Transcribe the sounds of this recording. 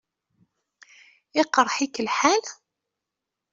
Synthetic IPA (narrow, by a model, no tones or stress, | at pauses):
ɪqɾˤħikəlħal